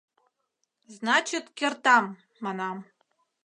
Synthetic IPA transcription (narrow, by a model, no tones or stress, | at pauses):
znɑt͡ɕɪt̪kʲĕrt̪ɑmː | ɑnɑm